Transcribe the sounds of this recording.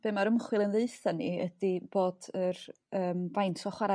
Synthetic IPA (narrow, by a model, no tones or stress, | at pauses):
b̥eːmaɾəmχwɪlˠənðeɨθaniədiboːdər | əːmvajntʰɔχwaɾa